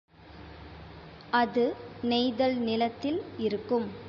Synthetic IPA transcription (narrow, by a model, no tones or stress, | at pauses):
ɐðɯnɛɪðɐlnɪlɐt̪ːɪlɪɾɯkːɯm